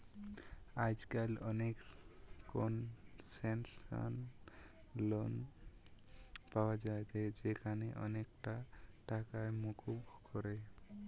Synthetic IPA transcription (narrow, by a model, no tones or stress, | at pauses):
ajd͡ʒkalɔnek | kɔn | sɛnska̰n | lɔn | pawad͡ʒajd͡ʒajd͡ʒekʰaneʔɔnekʈa | ʈakajmukʰub | kɔɾej